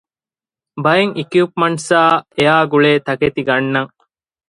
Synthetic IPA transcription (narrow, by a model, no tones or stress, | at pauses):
bɐeŋʔikijuːpmɐɳʈsaːeaːɡuɭeːt̪ɐket̪iɡɐnːɐŋ